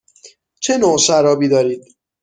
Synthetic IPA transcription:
t͡ʃʰenosæɾɒːbiːd̪ɒːɾiːd̪̥

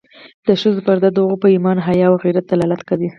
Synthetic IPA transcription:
d̪̥əʃəzopəɾd̪ad̪əʊɣopəimɑnɦajɑwɣiɾat̪̚d̪alɑlat̪kawi

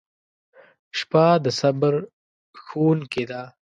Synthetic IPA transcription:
ʃpaːd̪əsɐbəɾ | xuːnked̪aː

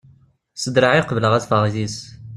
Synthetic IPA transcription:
səd̪ɾaʕiqəvələʁæsfəʁzis

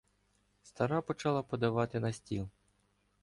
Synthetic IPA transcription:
st̪ɐɾapɔt͡ʃɑlˠɐpɔd̪ɐʋɑt̪ɪnɐsʲtʲilˠ

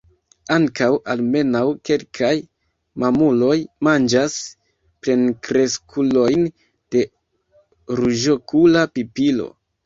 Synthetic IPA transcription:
aŋkawʔalme̞nawke̞lkʰaj | mamulo̞jmand͡ʒas | pɾe̞nkɾe̞skʰulo̞jn | d̥e̞ | ɾuʒo̞kulapipilo̞̰

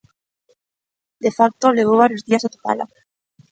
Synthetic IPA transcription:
d̪efak̚t̪oleɣ̞oβ̞aɾjozðiasat̪u̥pa̰la̰

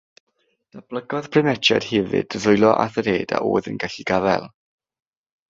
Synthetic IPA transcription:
d̥ab̥ləɡɔðpʰrɪmɛt͡ʃʰa̰d̥hɛvɨ̰dəðʊjlˠɔʔaθəɾeːda̰ʔo̰ːðənɡaɬiɡavɛ̰lˠ

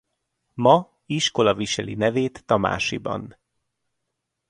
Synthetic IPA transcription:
mɒ | iʃko̞lɒviʃɛlḭnɛveːt̪ːɒma̰ːʃḭbɒ̰n

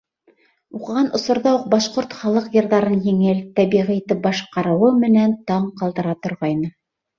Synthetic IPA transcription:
uqɤ̆ʁɑnʔŏsŏɾðɑuq̚bɑʃqoɾt̪χɑlˠɤqjɤ̆ɾðɑɾɤnjiŋɘlt̪æβiʁiit̪ɘp̚bɑʃqɑɾɤ̆wɤmɘ̆nænt̪ɑɴqɑlˠd̪ɤ̆ɾɑt̪ŏɾʁɑjnɤ

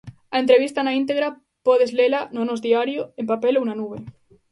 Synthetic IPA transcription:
aent̪ɾeβ̞ist̪anaint̪̬eɣɾa | poð̞ezlelanonozðiaɾjoempapelounanuβe

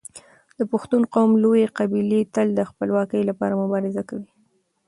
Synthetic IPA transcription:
d̪əpʊxt̪unqawmlojeqabilet̪əld̪əxpəlwɑkəjlapɑ̰ɾamʊbɑɾɪzakawi

